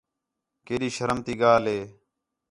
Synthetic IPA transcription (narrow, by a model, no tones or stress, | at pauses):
keːɗiːʃəɾəmt̪iːɠaːlɦeː